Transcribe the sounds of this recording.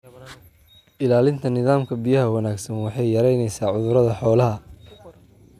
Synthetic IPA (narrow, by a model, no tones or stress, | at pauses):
ʔɪlaːlɪnt̪ʰɐnɪðaːmkʰɐbijɐɦɐwɐnaːɡsɐnwɑħɑjːɐɾɛjnɛjsaːʕʊðʊɾɐðɐħɔːlɐɦɐ